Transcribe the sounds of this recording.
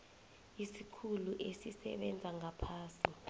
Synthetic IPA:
isikʰuluʔesisɛ̰ɓɛnd͡zʱaŋapʰaːsi

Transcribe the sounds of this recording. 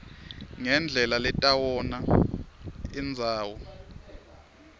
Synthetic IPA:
ŋɛnd͡ɮʱɛlalɛtʼawɔna | ind͡zʱaːwɔ

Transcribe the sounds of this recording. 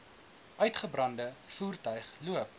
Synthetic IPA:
ʔœɥtχəbrɐndəfuːrtœɥχluəp̚

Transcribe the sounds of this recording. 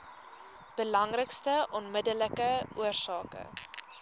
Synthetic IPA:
b̥əlɐŋrəkstəʔɔnmədələkəʔuərsɑːkə̰

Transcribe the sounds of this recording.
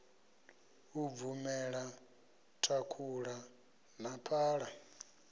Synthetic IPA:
uvumɛɺa | tʰakʰuɺa | napʰaːɺa

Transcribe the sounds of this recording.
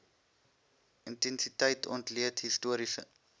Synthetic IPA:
ʔəntɛnsitəjtʰɔ̰ntliətɦistuəɾisə

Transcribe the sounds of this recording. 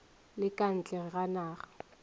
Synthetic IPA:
lɪkʼan̩t͡ɬʼɛɣanaːɣa

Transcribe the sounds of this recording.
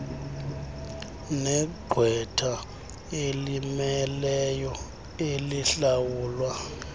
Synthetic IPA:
nɛɡ͡ǃʱwɛtʰa | elimɛlɛjɔ | eliɬawuːlwa

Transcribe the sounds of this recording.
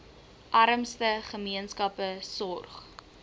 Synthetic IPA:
ʔɐɾəmstəχəmiənskɐpəsɔrχ

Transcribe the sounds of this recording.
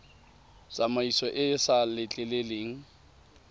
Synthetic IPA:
sʼamaisɔʔɪsalɪt͡ɬʼɛleleːŋ̩

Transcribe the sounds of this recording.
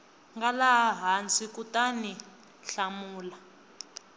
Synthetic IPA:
ŋɡalaɦant͡sʼikutani | ɬamuːla

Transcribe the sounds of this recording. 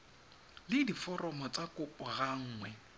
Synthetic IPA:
lɪdifɔrɔmɔt͡sʼakʼʊpʼɔɣaŋ̩ːŋwɛ

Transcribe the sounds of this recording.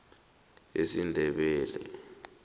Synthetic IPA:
esindʱɛɓɛːlɛ̰

